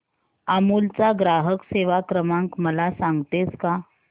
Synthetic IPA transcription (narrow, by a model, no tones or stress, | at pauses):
amult͡saɡɾaɦəkseʋakɾəmãŋkməlasaŋɡt̪et͡ska